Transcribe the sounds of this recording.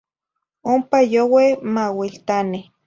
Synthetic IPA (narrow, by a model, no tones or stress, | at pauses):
ompajowemawilt̪ani